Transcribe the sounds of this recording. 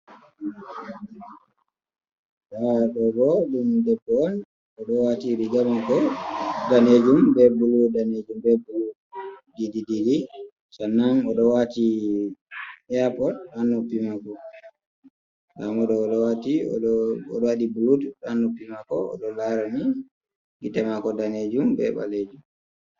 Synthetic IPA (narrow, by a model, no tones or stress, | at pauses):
ɗaɗɔbɔɗumdɛbːɔn | ɔɗɔwatiɾiɡamakɔdaned͡ʒumbɛbuludaned͡ʒumbɛbulu | didididi | sanːaŋɔɗɔwati | japɔanːupimakɔ | ɡamɔɗɔɗɔwatiɔ̰ɔ̰ɗɔwaɗibulutanːupːimakɔɔ̰ɗɔlaɾani | ɡitɛmakɔdaned͡ʒumbɛ̰ɓa̰led͡ʒum